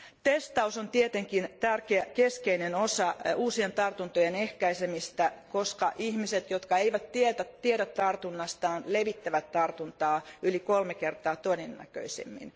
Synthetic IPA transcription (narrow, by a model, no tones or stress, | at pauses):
t̪est̪ɑusont̪iet̪eŋkint̪ærkeækeskeinenosɑuːsient̪ɑrt̪unt̪ojenehkæisemist̪ækoskɑʔihmiset̪jot̪kɑeiʋæt̪tiet̪æt̪ieɾæt̪t̪ɑrt̪unːɑst̪ɑːnleʋit̪ːæʋæt̪tɑrt̪unt̪ɑːylikolmekert̪ɑːt̪oinenːæ̰kø̰isḛmːḭn